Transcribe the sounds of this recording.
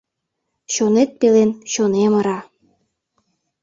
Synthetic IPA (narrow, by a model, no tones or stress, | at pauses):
ɕonet̪̚pelenɕoneməɾɑ